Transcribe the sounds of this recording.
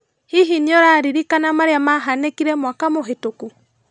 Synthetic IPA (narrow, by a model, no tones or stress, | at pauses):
hiɦiniɔɾaɾiɾikanamaɾeamaɦanekiɾɛmwakamoɦetoku